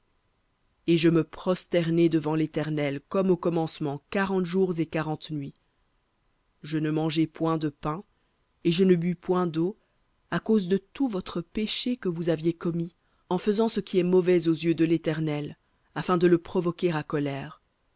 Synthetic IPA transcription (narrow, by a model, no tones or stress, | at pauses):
eʒəməpχɔst̪ɛʁnɛd̪əvɑ̃let̪ɛʁnɛlkɔmokɔmɑ̃smɑ̃kaʁɑ̃t̪ʒuʁzekaʁɑ̃t̪nɥi | ʒənəmɑ̃ʒɛpwɛ̃d̪əpɛ̃ | eʒənəbypwɛ̃d̪o | akozd̪ət̪uvɔt̪χəpeʃekəvuzavjekɔmi | ɑ̃fəzɑ̃səkʲiɛmɔvɛzozjød̪əlet̪ɛʁnɛl | afɛ̃d̪ələpχɔvɔkʲeʁakɔlɛːʁ